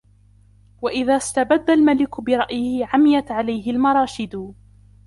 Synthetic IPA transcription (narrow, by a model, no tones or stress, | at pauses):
waʔɪðaːst̪abad̪ːalmalɪkʊbɪɾˤɑʔjɪhɪʕamɪjat̪ʕalajɦɪlmɑɾˤɑːʃɪd̪ʊ